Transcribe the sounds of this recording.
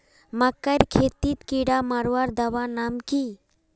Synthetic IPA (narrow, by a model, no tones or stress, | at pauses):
mɐkːəɾʲkʰet̪it̪kiɽamɐɾwaɾd̪ɐʋanamki